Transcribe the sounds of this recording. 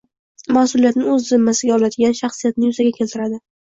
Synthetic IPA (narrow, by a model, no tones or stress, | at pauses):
masʊlijat̪nɪŋɵzːɪmːasɪɡʲaɒlad̪ɪɡʲanʃaχsijat̪nɪjʊzaɡʲakʲʰe̞lt̪ʰɪɾad̪ɪ